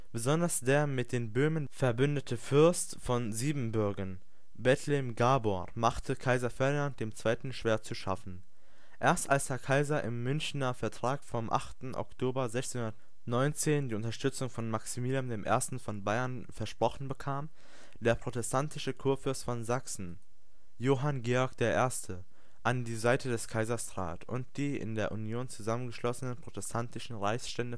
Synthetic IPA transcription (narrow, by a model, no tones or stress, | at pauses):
b̥əzɔndɐsd̥eːɐmɪt̚d̥eːnbøːmənfɛɐbʏndətʰəfʏɐstfɔnziːbm̩bʏɐɡən | bɛtʰlɛɛmɡaːboʁmaχtʰəkʰaɪzɐfɛɐdinant̚d̥eːmt͡sv̥aɪtn̩ʃv̥eːɐt͡suʃa̰fn̩ | ʔeːɐstʔalshɛɐkʰaɪzɐʔɪ̰mːʏnçnɐfɛɐtʁ̥aːkfɔmʔa̰χtn̩ʔɔ̰ktʰoːbɐzɛçtt͡seːnhuʊndɐt | nɔʏnt͡seːndiːʊntɐʃtʏt͡sʊŋfɔnmaksimiːljamdeːmʔḛːɐstn̩fɔnbaɪɐn | fɛɐʃpʁ̥ɔχn̩bəkʰaːm | d̥eːɐpʁ̥otɛstʰantʰɪʃəkʰuːɐfʏɐstfɔnzaksn̩ | joːɦanɡeːɔɐkd̥eːɐʔeːɐstʰə | ʔandiːzaɪtədɛskʰaɪzɐstʁ̥a̰ːtʰʊ̰ntd̥iːɪ̰ndeːɐʔunjoːnt͡suzamənɡəʃlɔsənənpʁ̥otɛstʰantɪʃn̩ʁaɪçsʃtɛndə